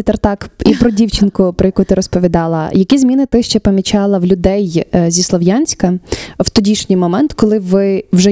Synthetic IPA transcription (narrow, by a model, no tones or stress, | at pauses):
t̪ɐrt̪ɑkipɾɔdʲiwt͡ʃɪnkʊpɾɔjɐkut̪ɪɾɔspɔʋʲid̪ɑlˠɐ̰jɐkʲizmʲinɪt̪ɪʃt͡ʃɛpɐmʲit͡ʃɑlˠɐwlʲʊd̪ɛjzʲislˠɔʋjɑnʲsʲkɐwt̪ɔdʲiʃnʲijmɔmɛnt̪kɔlˠɪʋɪwʒɛ